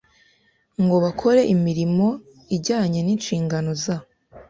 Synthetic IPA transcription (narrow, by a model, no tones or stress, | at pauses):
ŋɡo̞βakʰo̞ɾe̞ʔimiɾimo̞ | iɟaːɲe̞niːnʃiːŋɡano̞za